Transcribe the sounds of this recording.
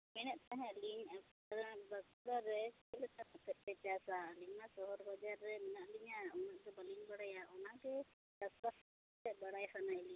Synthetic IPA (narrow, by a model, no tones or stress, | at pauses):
mɛnɛʔ̪̚t̪ɛɦɛ̃liɲap | aɾbakuɽaɾɛkɛlɛt̪akɔt̪ɛt̪̚pɛt͡ʃasalimasɔɦɔɾbɔd͡ʒaɾːɛmɛnaʔliɲaɔmak̚d̪ɔbaliŋbaɽajaʔɔnaɡɛ | ɾaskas | t̪ɛbaɽajsanajli